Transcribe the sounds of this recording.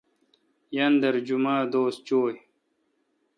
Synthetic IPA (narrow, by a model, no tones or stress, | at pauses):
jɐnd̪ɐɾd͡ʑumaːd̪oːst̪̚t͡ɕoːj